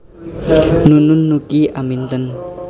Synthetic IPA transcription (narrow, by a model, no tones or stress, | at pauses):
nunʊnːukiʔamint̪ən